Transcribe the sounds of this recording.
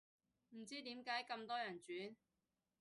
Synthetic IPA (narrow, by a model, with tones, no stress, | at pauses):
m̩˨˩t͡siː˥t̪iː˨˥mkaː˨˥jkɐ˧mt̪ɔː˥jɐ˨˩nt͡ʃyː˨˥n